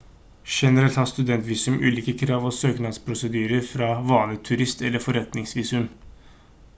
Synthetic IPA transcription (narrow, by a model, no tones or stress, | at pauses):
ʂɛnəɾɛlt̪hɑst̪ʉd̪ɛnt̪ʋiːsʉmʔʉ̰ːliːkəkʰɾɑːʋɔsøːknɑd̪spʰɾʊsəd̪yːɾəɾfɾɑːʋɑːnət̪ʰʉɾɪst̪ɛlːəɾfɔɾɛt̪nɪŋsʋiːsʉm